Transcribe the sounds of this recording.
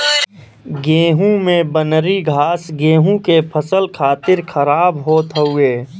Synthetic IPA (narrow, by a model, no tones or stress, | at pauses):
ɡeːɦũmẽbənɾiɡʱaːsɡẽːɦũkepʰəsəlkʰaːt̪ɪɾkʰəɾaːbɦoːt̪ɦəueː